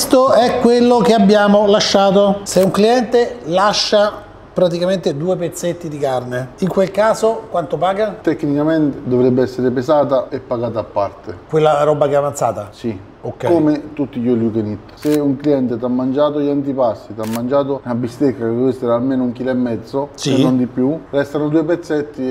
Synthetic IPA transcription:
st̪oɛkːwelːokeabːjaːmolaʃːaːt̪oseuŋkliɛnt̪elaʃːa | pɾat̪̬ikament̪ed̪uːepet̪sːet̪ːid̪ikarneiŋkwelkaːzokwant̪opaːɡat̪ɛkːnikament̪ed̪ovɾɛbːeɛsːeɾepesaːt̪aɛpːaɡaːt̪aːpːart̪ekwelːaɾɔbːakeavant̪sa̰ːt̪asi | okkomet̪ut̪ːijɔlukenit̪ːseuŋkliɛnt̪et̪amːand͡ʒaːt̪oʎant̪̬ipasːit̪amːand͡ʒaːt̪onabːist̪ekːakdd̪vist̪ːeɾalmeːnouŋk̟iːlɛmːɛd̪zːosenːond̪ipːjurɛst̪anod̪uːepet̪sːɛt̪ːi

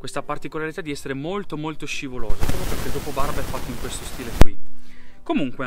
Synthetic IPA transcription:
kwest̪apart̪ikolaɾit̪ad̪iɛsːeɾemolt̪omolt̪oʃivoloːzapɾɔpjoperk̟ed̪oːpobarbɛfːat̪ːoiŋkwest̪ost̪iːlekwikomuŋkwe

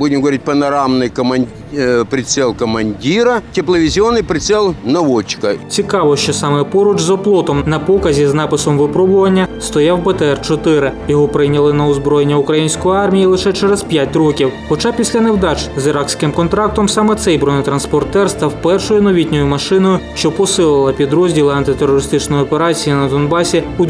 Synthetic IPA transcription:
budʲɪmɡɐʋɐɾʲit̚ʲpɐnɐɾamnɨjkɐmɐ | pɾʲɪt̪sɛlˠkɐmɐnʲdʲiɾɐtʲɪplˠɐʋʲɪzʲɪonːɨjpɾʲɪt̪sɛlˠnɐʋɔt͡ʃkɐt͡sʲikɑʋɔʃt͡ʃɔsɑmɛpɔɾʊt͡ʃzɐplˠɔt̪ɔmnɐpɔkɐzʲiznɑpɪsɔmʋɪpɾɔbʊʋɐnʲːɐst̪ɔjawbet̪eɛrt͡ʃɔt̪ɪɾɪjɔɦɔpɾɪjnʲɐlˠɪnɐɔzbɾɔjenʲːɐʊkɾɐjinʲsʲkɔjʊɑrmʲijilˠɪʃɛt͡ʃɛɾezpʲjatʲrɔkʲiwxɔt͡ʃɑpʲisʲlʲɐnewd̪ɑt͡ʃzɪɾɑksʲkɪmkɔnt̪ɾɑk̚t̪ɔmsɑmɛt̪sɛjbɾɔnɔt̪ɾɐnspɔrt̪ɛrst̪ɐwpɛrʃɔjʊnɔʋʲitʲnʲɔjʊmɐʃɪnɔjʊʃt͡ʃɔpɔsɪlˠɪlˠɐpʲid̪ɾɔzʲdʲilˠɪɐnt̪ɪt̪eɾɔɾɪst̪ɪt͡ʃnɔjɔpeɾɑt͡sʲijinɐd̪ɔnbɑsʲiʊ

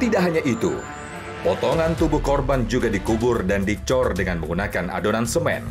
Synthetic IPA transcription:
t̪idaʔɦaɲaʔit̪ṵ | pɔt̪ɔŋant̪ubʊhkɔrband͡ʒuɡadikubʊrdandit͡ʃɔrdəŋanməŋɡunakana̰donansəmɛ̰n

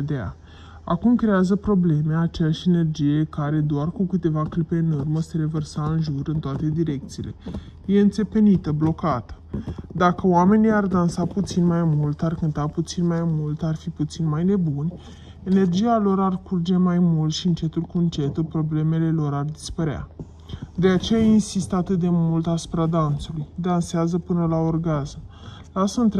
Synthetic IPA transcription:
d̪ea̰ | a̰kumkɾe̞azəpɾo̞ble̞me̞at͡ʃejaʃene̞rd͡ʒije̞kaɾe̞d̪oarkukɨt̪e̞vaklipe̞nɨrməse̞ɾe̞vərsaɨnʒuɾɨnt̪oat̪e̞d̪iɾe̞k̚t̪siːle̞je̞ɨnt̪se̞pe̞nit̪əblo̞kat̪ə̥d̪akəoame̞nijard̪ansaput̪sinmajmult̪arkɨnt̪aput̪sinmajmult̪arfiput̪sinmajne̞bunʲ | e̞ne̞rd͡ʒijalo̞ɾarkurd͡ʒe̞majmult̪ʃiɨnt͡ʃe̞t̪ulkuɨnt͡ʃe̞t̪ulpɾo̞ble̞me̞le̞lo̞ɾard̪ispəɾea̰ | d̪e̞at͡ʃe̞jainsist̪əat̪ɨt̪̚d̪e̞mult̪asu̥pɾad̪ant̪sulujd̪anseazəpɨnəlao̞rɡazm | lasəɨnt̪ɾ

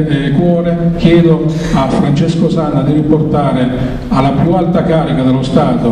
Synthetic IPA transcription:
neɪkwɔːɾɪk̟jɛːd̪ʊ | afɾant͡ʃɛskʊsanad̪iɾiport̪aːɾɪ | alːapjualt̪akaːɾikad̪ɛlːʊst̪aːt̪ʊ

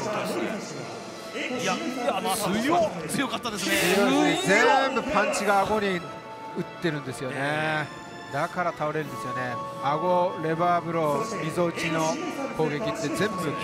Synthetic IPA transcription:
ot͡sɯjokat̪ːad̪esneioed͡zembɯpʰant͡ɕʰiɡaːɡoɲi | ɯt̪͈ːenɯnd̪esɯjone | nakʰaɾat̪ʰaɯɾenɯnd̪esɯjoneaɡoɾebabɯɾomizot͡ɕʰinopoɡekit̪͈ːed͡zemzɯ

